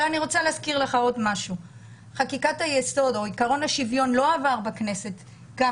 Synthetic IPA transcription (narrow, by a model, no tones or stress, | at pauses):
aniʁot͡saleazkiʁleχao̞dmaʃu | χakikathajeso̞do̞ikaʁo̞naʃivjo̞nlo̞avaʁbakne̞se̞t̪ | ɡa